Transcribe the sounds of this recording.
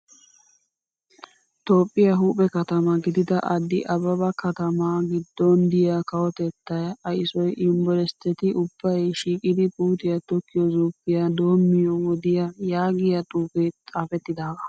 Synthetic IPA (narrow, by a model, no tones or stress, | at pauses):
t̪o̞ːpʼːɪjɐɦuːpʼɛkɐt̪ɐmɐɡɪd̪ɪd̪ɐʔɐd̪ːɪʔɐbɐbɐkɐt̪ɐmaɡɪd̪ːɔnd̪ɪjakɐwɔt̪ɛt̪ːɐjɐjɪsɔjʔɪmbɔlɛst̪ːɛt̪ɪʔʊb̥ːɐjʃiːkʼɪd̪ɪpʼuːt̪ɪjɐt̪ɔkːɪjɔzuːpːɪjɐd̪o̞ːmːɪjɔwɔd̪ɪjɐjaːɡɪjɐt̪ʼuːket͡sʼaːfɛt̪ːɪd̪aːɡɐ̥